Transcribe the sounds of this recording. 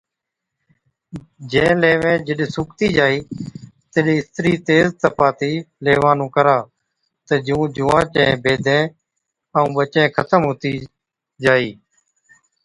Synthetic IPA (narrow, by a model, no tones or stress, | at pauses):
d͡ʒɛ̃ːleːʋẽːd͡ʒəɗsʊkt̪iːd͡ʒaːiːt̪eɗẽːɪst̪ɾiːt̪eːzt̪əpaːt̪iːleːʋaːnũːkəɾaː | t̪əd͡ʒũːd͡ʒʊːãːt͡ʃḛ̃bʱeːd̪ʱẽː | əũːɓət͡ʃẽːkʰət̪əmɦoːt̪iː | d͡ʒaːiː